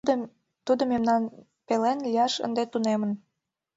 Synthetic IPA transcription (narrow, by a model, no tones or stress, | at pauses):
t̪ud̪ŏmemnɑn | pelenlʲijɑʃə̰nd̪et̪unemə̆n